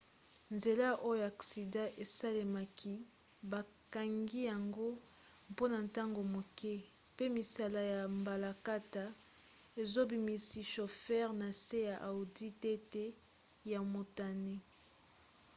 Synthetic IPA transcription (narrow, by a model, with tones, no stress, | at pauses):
nze˨la˦ʔo˦jo˦a˨ksi˨dã˦ʔe˨sa˦le˨ma˨kʰi˦ | ba˨ | ka˨ŋɡi˦ja˨ŋɡo˦ | mpo˦na˨n˨ta˦ŋɡo˨mo˨kɛ˦ | pe˦mi˨sa˦la˦ja˨mba˨la˨ka˦ta˨ | e˨zo˦bi˨mi˨si˦ʃo˨fɛ˦ʁna˨se˦ja˨ʔa˨u˨di˦tɛ˦tɛ˦ | ja˨mo˨ta˨ne˦